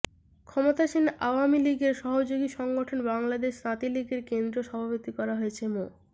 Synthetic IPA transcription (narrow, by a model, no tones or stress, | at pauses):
kʰɔmot̪aʃinaoamiliɡeɾʃɔɦod͡ʑoɡiʃɔŋɡoʈʰonbaŋlad̪eʃnat̪iliɡeɾkend̪ɾoʃɔbʱapot̪ikɔɾaɦoet͡ɕʰemo